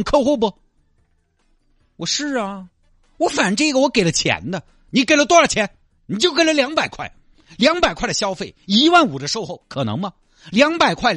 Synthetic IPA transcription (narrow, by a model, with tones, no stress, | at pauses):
kʰɤ˥˧xo˥˧pɔ˧ | wɔ˨˩ʂɻ̩˥˩ɐ˩ | wɔ˧˥fa˨˩˥ʈ͡ʂɤ˥˩˧ɡə˩wɔ˧˥ke˨˩ɪlə˦t͡ɕʰjɛ̰˧˥nd̪ə˧ | ni˧˥ke˨˩ɪlə˧t̪wɔ˥ə˞˥˩t͡ɕʰjɛ˧˥n | ni˨˩t͡ɕjo˥˩ʊke˨˩ɪlə˦ljɑ˧˥ŋpa˨˩ɪkʰwa˥˩ɪ | ljɑ˧˥ŋpa˨˩ɪkʰa˥˩ə˩ɕjɑ˥ʊfe˥˩ɪi˧˥wa˥˩nu˨˩də˦ʂo˥˧ʊxo˥˩ʊkʰɤ˨˩nɤ̰˧˥ŋmɐ˧ | ljɑ˧˥ŋpa˨˩ɪkʰwa˥˩ɪ